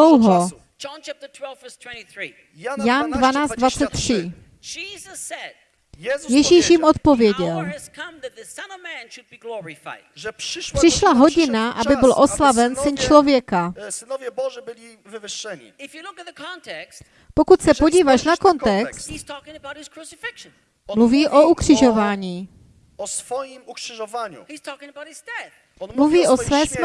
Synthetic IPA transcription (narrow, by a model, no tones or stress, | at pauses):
owɦo | d͡ʒɑ̃nt͡ʃʰæp̚tə˞tʰw̥ɛlˠvvɜ˞stʰw̥ɛ̃ntiθɹi | njandvanaːt͡sd̪d̪vat͡sɛt̪ːr̥ɪ | d͡ʒizəsɛd̥̚ | jɛʒiːʃjɪmʔo̞t̪̚po̞vjɛɟɛləz̥kʰʌ̃mðɨt̪̚ðəsʌ̃nɔvmæ̃nʃɨd̚biɡlɔɹɪfa̰ɪd̥ɛprɪʃlaɦo̞ɟɪnaʔabɪbɪlʔo̞slavɛnsɪnt͡ʃlo̞vjɛkasɪnɔvjɛbɔʒɛbɪlʲi | vɪvɪʂːɛɲḭɪfjɨlʊkɨt̪̚ðəkʰɑ̃ntʰɛkst | po̞kut̪sɛpo̞ɟiːvaʃnako̞nt̪ɛkst̪z̥tʰɔkɪ̃ŋəbaʊt̚hɨz̥kʰɹ̥usɪfɪkʃn | mluviːʔoukr̝̥ɪʒo̞vaːɲiː | ɔsfɔjimukʂɪʒɔvaɲṵhiz̥tʰɔkɪ̃ŋəbaʊt̚hɨzdɛθ | mluviːʔo̞svɛːsm